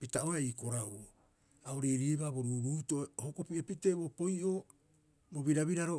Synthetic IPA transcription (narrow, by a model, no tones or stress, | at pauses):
pitaʔoɾaiko̞ɾawo | aoɾejɾiebaboɾuːɾuːtoohokopiepiteːbopo̞jʔo | boβiɾaβiɾaɾo